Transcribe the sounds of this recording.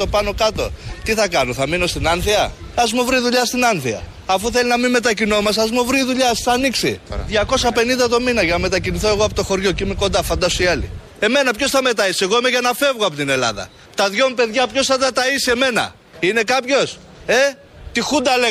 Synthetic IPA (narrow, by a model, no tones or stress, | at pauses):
o̞pɐno̞kɐt̪o̞̰t̪iθɐkɐnoθɐmino̞st̪inɐnθiɐɐzmuvɾiðuʎɐst̪inɐnθiɐ̰ː | fuθe̞linɐmime̞t̪ɐcino̞mɐsɐzmuvɾiːðuʎɐsθɐniksḭðʝɐko̞sɐpe̞nind̪ɐeðo̞minɐʝɐnɐme̞t̪ɐciniθo̞e̞ɣo̞ɐpot̪o̞xo̞ɾʝo̞ceimeko̞nd̪ɐfɐnd̪ɐsoiɐlḭ | e̞me̞nɐpço̞sθɐme̞t̪ɐise̞ɣoimeʝɐnɐfe̞vɣoɐpot̪ine̞lɐ̰ðɐ̰ | t̪ɐðʝo̞mupe̞ðʝɐpço̞sθɐt̪ɐt̪ɐisie̞me̞nɐ̰ | ine̞kɐpço̞s | e̞ | t̪ixund̪ɐle